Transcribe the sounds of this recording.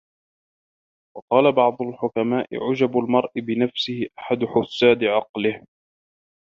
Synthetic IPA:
wɑqɑːlabɑʕd̪ˤʊlħʊkamaːʔɪ̰ʕʊd͡ʒabalmɑɾˤʔɪbɪnafsɪhɪʔaħad̪ʊħʊsːaːd̪ɪʕɑqlɪh

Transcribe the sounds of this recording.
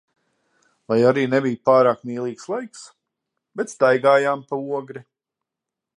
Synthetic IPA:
lˠajaɾiːnebijupaːɾaːkmiːlˠiːkslˠajks | bet̪st̪ajɡaːjaːmpauɔɡɾi

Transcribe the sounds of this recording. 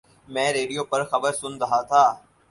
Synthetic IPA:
mɛ̃ːɾeːɖijoːpɐɾxɐbəɾsʊnɾɐɦat̪ʰaː

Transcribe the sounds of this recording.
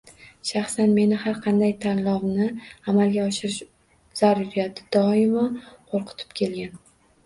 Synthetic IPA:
ʃɑχsanme̞nɪhaɾqʰɑnd̪ajt̪ʰalˠɒwnɪamalˠɡʲaɒʃɪɾɪʃ | z̥aɾʊɾjad̪ɪd̪̥ɒɪmaqʰoɾqʰɨ̥t̪ʰɪ̥p̚kʲʰe̞lɡʲan

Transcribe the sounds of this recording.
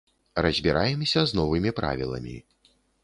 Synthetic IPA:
rɐzʲbʲiɾʔajɛmsʲɐznɔvɨmʲipɾa̰vʲilˠɐ̰mʲḭ

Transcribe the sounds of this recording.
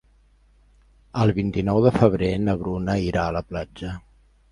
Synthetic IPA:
əlˠβint̪inɔwðəfəβ̞ɾenəɣɾunəiɾaələplad͡ʒə

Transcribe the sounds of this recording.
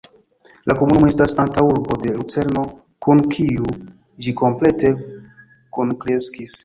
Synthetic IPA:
lʔakomunumoe̞stasantawuɾbo̞de̞lut͡se̞ɾno̞ | kunkʰiu | d͡ʒiko̞mple̞te̞ | kunkɾe̞skis

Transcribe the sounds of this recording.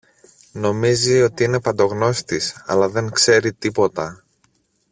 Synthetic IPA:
no̞mizio̞t̪iine̞pɐnd̪o̞ɣno̞st̪isɐ̰lɐðe̞ŋkse̞ɾit̪ipo̞t̪ɐ

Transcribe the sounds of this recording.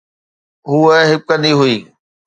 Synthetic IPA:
ɦuːəɦɪp̚kəniɦʊiː

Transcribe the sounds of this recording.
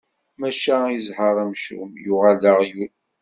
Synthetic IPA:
mæʃæizhəɾˤæmʃṵmjʊʁaləʁju

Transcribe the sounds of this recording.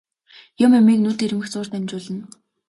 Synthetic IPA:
jʊmɵmiːknut̪ir̆mɘ̆xt͡sʊːr̥t̪æmt͡ɕʊːɮə̆n

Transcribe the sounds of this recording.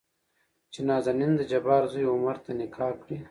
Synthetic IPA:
t͡ʃenaːzanind̪əd͡ʒɐbaːɾzujʊmɐɾt̪anɪkʰaːkɽi

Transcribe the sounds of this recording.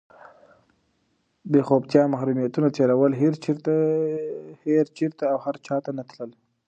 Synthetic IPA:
bexob̚t̪jɑmahɾumijat̪unat̪elawəlɦeɾ | heɾt͡ʃiɾt̪aːwhaɾt͡ʃɑt̪anat̪ləl

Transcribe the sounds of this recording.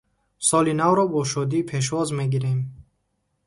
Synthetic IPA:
sɔlinavɾɔbɔʃɔd̪iːpʰeʃ̬vɔzme̞ɡiɾem

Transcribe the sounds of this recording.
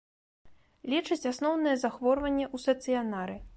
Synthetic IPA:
lʲɛt͡ʂɐt͡sʲasnɔwnɨjɛzaxvɔrvɐnʲːɛʔust̪ɐt̪sɨjanaɾɨ

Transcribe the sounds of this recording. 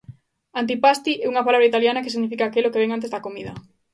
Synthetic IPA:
ant̪̬ipast̪iɛuŋɐpalaβɾait̪aljanɐkesiɣnifikaːkelokeβɛŋant̪ezðɐkomiðɐ̰

